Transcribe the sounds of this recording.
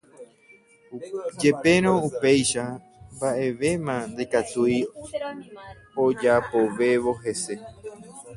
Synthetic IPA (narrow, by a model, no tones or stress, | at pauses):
d͡ʒe̞pe̞ɾ̃õupejʃa | mbaʔe̞ʋe̞mãnd̪e̞kat̪uj | od͡ʒapoʋe̞ʋo̞ɦe̞se̞